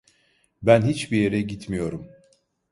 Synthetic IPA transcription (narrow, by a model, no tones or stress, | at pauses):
bænɦit͡ʃbije̞ɾɛɟit̪mijo̞ɾum